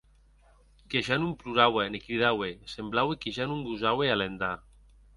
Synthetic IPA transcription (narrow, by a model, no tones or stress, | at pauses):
keʒanumpluɾawenekɾiðawesemblawekeʒanumbuzawealend̪a